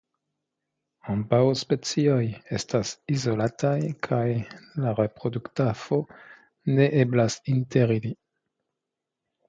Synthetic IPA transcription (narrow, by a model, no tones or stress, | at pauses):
ambawspe̞t͡sio̞je̞stasizo̞latʰajkʰajlaɾe̞pɾo̞duktafo̞ | ne̞ʔeblasinteɾili